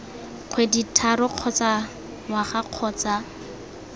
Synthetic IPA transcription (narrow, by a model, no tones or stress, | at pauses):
q͡χʰweditʰaɾɔq͡χʰɔt͡sa | ŋwaχaq͡χʰɔːt͡sa